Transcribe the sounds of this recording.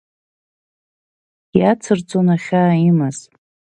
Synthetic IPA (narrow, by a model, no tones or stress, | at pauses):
jat͡sʰɨrt͡sʼonaχʲaːimaz̥